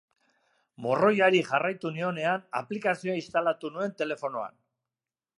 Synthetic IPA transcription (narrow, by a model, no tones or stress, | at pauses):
mo̞ro̞jaɾiʝarajt̪unio̞ne̞ana̰plikasioaist̪alat̪unue̞nt̪e̞le̞fo̞no̞a̰n